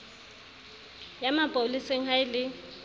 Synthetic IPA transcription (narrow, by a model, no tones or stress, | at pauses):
jamapʼoliseŋ̩ɦaɪlɪ